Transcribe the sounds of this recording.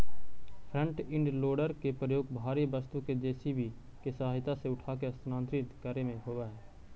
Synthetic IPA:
pʰɾə̃ɳʈɪ̃ɳɖloːɖəɾkepɾəjoːɡbʱaːɾibəst̪uked͡ʒɛːsibʱi | kesəaːɦɪt̪aseʊʈʰaːkesnãːnt̪ɾɪt̪kəɾemẽɦoːʋaɦɛː

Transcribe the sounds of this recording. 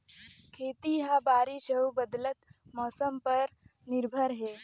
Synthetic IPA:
kʰeːt̪iɦabaːɾiʃəɦubəd̪lət̪mɔːsəmpɐɾnɪɾbʱəɾɦɛː

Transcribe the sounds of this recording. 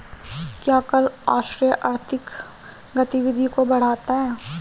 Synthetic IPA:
kjaːkɐlaːʃɾijəʔaːɾt̪ʰɪk | ɡɐt̪iʋɪd̪ʱikobɐɽ̤aːt̪aɦɛː

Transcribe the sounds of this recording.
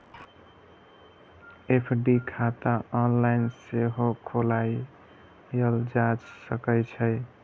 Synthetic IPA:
epʰɖikʰat̪aɔnlajnseɦokʰolaj | əld͡ʒad͡ʒsəkəjt͡ʃʰəj

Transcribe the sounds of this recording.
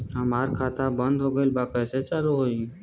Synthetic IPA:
amaɾkʰaːt̪abənd̪ʱɦoɡəɪlbakəset͡ʃaːɾuɦoi

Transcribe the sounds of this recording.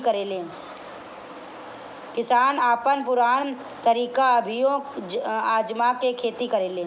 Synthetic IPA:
kəɾeːlẽ | kɪsaːnaːpənpʊɾaːn | t̪əɾiːkaəbʱɪjõ | aːd͡ʒmakekʰeːt̪ikəɾeːleː

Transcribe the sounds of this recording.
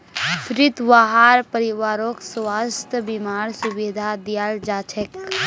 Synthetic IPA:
pɾɪt̪ʋaɦaːɾpəɾɪʋaːɾoːkswaːst̪ʰəbimaːɾsʊbid̪ʱad̪jaːɾd͡ʒaːt͡ʃʰək

